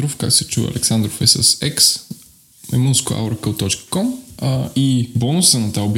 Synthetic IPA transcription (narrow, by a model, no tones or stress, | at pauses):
ɾofka̰ksɛt͡ʃuɛ̰ɐ̰lʔɛksand̪ɾofɛsəsɛks | mɛ̰munskʊa̰wɾkəlt̪ɔt͡ʃkə̥kɔm | ibɔnʊsənɐt̪aobʲ